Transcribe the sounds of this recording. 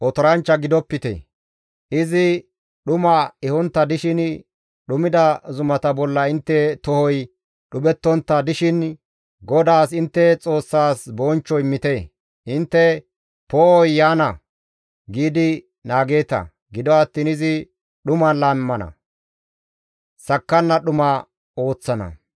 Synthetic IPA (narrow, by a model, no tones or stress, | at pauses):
ʔɔt̪ɔɾɐnt͡ʃːɐɡɪd̪ɔpːɪt̪ḛ | ʔɪzɪ | ɗʊmɐɛhɔnt̪ːɐd̪ɪʃɪn | ɗʊmɪd̪ɐzʊmɐt̪ɐbɔlːɐɪnt̪ːɛt̪ɔhɔj | ɗʊɓɛt̪ːɔnt̪ːɐd̪ɪʃɪn | ɡɔd̪aːsɪnt̪ːɛt͡sʼo̞ːsːaːsbɔːnt͡ʃːɔɪmːɪt̪eː | ʔɪnt̪ːɛ | poːɔjːaːnɐ | ɡiːd̪ɪ | naːɡe̞ːt̪ɐ̰ | ɡɪd̪ɔɐt̪ːiːnɪzɪ | ɗʊmɐnlaːmmːɐnɐ̰ | sɐkːɐnːɐɗʊmɐ | o̞ːt͡sːɐnɐ̰